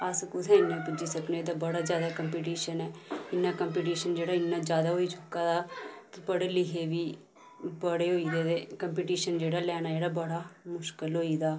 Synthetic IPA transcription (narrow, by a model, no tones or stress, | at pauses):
əskʊt̪ʰɛ̃ːɪnːãːpʊd͡ʒiːsəkneːd̪aːbəɽaːd͡ʒjaːd̪aːkəmpiːʈiːʃənɛːɪnːãːkəmpiːʈ̬iːʃənd͡ʒeːɽaːɪnːãːd͡ʒjaːd̪aːɦoːiːt͡ʃʰʊkːaːd̪aːt̪ːpəɽeːlɪɦeːʋiː | bəɽeːɦoːid̪eːeːkəmp̬iːʈiːʃənd͡ʒeːɽaːlɛːnaːd͡ʒeːɽaːbəɽaːmʊʃkəlɦoːiːd̪aː